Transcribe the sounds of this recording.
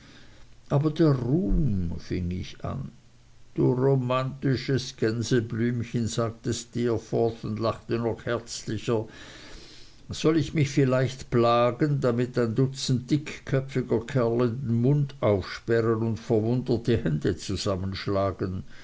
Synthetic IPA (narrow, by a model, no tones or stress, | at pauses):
ʔaːbɐdeːɐʁuːmmfɪ̰ŋɪ̰ça̰n | d̥uːʁomantɪʃəsɡ̥ɛnzəblyːmçənz̥aːɡ̚təstɪɐfɔθʊndlaχtənɔχhɛɐt͡slɪçɐ | z̥ɔlɪçmɪçfɪlaɪçtplaːɡəndamɪtaɪndʊt͡sn̩td̥ɪkʰkʰːœpfɪɡɐkʰɛɐləndn̩mʊndaʊfʃpɛʁənʊntfɛɐvʊndətəhɛndət͡suz̥amənʃlaːɡən